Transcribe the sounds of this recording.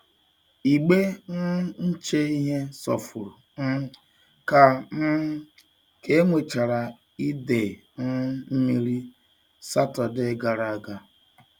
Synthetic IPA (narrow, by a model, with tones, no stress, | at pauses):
i˨ɡ͡be˦n̩˦n̩˦t͡ʃe˦i˦ɦe˦sɔ̰˨fʊ˨ɾu˨ | n̩˦ | ka˨n̩˦ | ke˦ŋʷe˨t͡ʃa˨ɾa˨ | i˦de˨ | n̩˦m̩˦mi˦ɾi˦ | sa˦tɔ˨de˦ɡa˨ɾa˨a˦˨ɡa˦